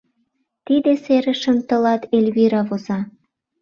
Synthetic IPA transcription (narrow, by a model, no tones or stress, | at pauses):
t̪id̪eseɾə̆ʃə̆mt̪ə̆lɑt̪elʲβiɾɑβozɑ